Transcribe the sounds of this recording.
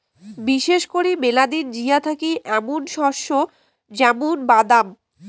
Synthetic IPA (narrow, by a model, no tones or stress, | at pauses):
biʃeʃkoɾimelad̪ind͡ʑijat̪ʰakiʔɛmonʃɔʃo | d͡ʑɛmunbad̪am